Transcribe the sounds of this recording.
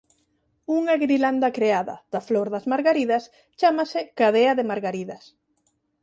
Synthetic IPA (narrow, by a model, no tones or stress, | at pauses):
uŋaɣɾiland̪ɐkɾeaðɐ̰ð̥ɐfloɾðɐzmaɾɣaɾiðɐs | t͡ʃamɐsɪkaðeɐðemaɾɣaɾiðɐs